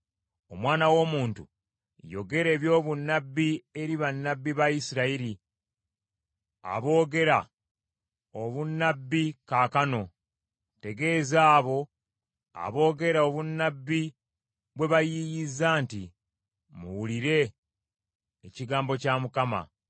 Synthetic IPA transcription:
o̞mwaːnawo̞muːntṵ | jo̞̰ɡe̞ɾe̞ːβjo̞ːβunːabːie̞ɾiβanːabːiβaisiɾaiɾi | a̰βo̞ːɡe̞ɾa | o̞βunːabːikaːkano̞ | te̞ɡe̞ːzaːβo̞ | a̰βo̞ːɡe̞ɾao̞βunːabːi | βwe̞βajijizaːntḭ | mṵwuliɾe̞ | ciɡaːmbo̞camukama̰

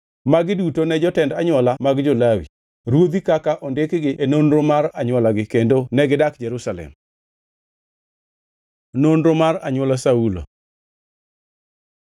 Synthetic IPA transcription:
maɡɪdutonɛd͡ʒɔtɛndaɲwɔlamaɡd͡ʒolawḭ | ɾwod̪ikakaʔɔndɪkɡɪʔenonɾomaɾaɲwɔlaɡɪkendonɛɡɪdakd͡ʒɛɾusalɛ̰m | nonɾomaraɲwɔlasaulo̰

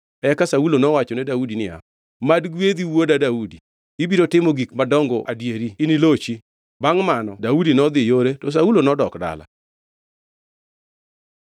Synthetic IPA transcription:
ɛkasaulonɔwat͡ʃɔnɛdaudinɪa̰ | madɡwed̪iwodadaudi | ibiɾotɪmoɡikmadɔŋɡɔ̰ʔadjeɾiːnilot͡ʃi | baŋmanɔdaudinɔd̪ɪjoɾetɔs̬aulonɔdɔkda̰la̰

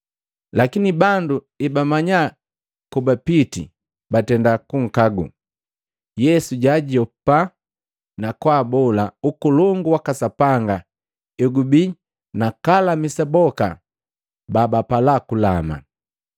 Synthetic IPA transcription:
lakinibandu | ibamaɲa | kubapitḭ | batɛndakuŋ̩kaɡṵ | jɛsuɟaɟɔpa | nakwaːbɔlaukulɔŋɡuwakasapaŋɡa | ɛɡubi | nakalamisabɔka̰ | baːbapalakulama̰

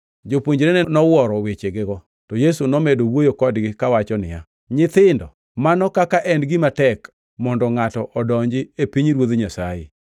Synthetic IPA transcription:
d͡ʒopwoɲd͡ʒɾenenɔwɔɾɔwet͡ʃeɡɪɡɔ | tɔjesunɔmedowojokɔdɡɪkawat͡ʃɔnɪ̰ja̰ | ɲɪt̪ɪndɔ | manɔkakaʔɛndɡɪmatɛk | mɔndɔŋatɔʔɔdɔɲd͡ʒɪepiɲɾwod̪ɲasajḛ

